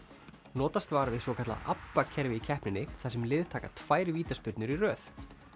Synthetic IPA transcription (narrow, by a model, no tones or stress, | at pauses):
nɔːt̪ast̪vaːɾavɪðsɔkʰat̪la̰ʔapːacʰɛɾvɪicʰɛhpnɪnːɪθɛsːɛmlɪːðt̪ʰaːkat̪ʰv̥aːjɾɪviːt̪aspʏɾt̪nʏɾirœːθ